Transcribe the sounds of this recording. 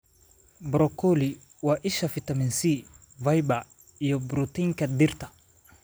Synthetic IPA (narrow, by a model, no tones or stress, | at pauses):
bɾɔkɔli | waʔiʃafitaminsi | vajba | ijɔbɾutiŋkadiɾta